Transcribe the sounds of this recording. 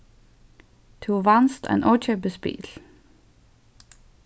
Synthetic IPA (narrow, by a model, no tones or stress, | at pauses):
t̪ʰuːʋɑnst̪ʰæ̰nʔɔːt͡ʃœbəspḭːl